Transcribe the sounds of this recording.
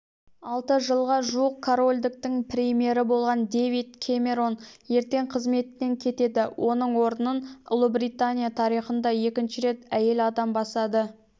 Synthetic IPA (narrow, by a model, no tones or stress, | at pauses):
ɑlˠt̪əʒəlˠʁɑʒuəq̚kʰːoɾo̞lʲd̪ɪk̚t̪ɪŋpɾʲemije̞ɾɪbo̞lˠʁɑnd̪ejvijt̪̚kʲʰemʲe̞ɾo̞nje̞ɾt̪e̞ɴqʰəzme̞t̪ːe̞ŋkʲʰe̞t̪e̞d̪ɪwʔo̞nəɴwo̞ɾənənʊ̰lˠəbɾit̪anʲijat̪ʰɑɾijχənd̪ɑje̞kʲɪnʃɪɾe̞t̪æje̞lɑd̪ɑmbɑsɑd̪ə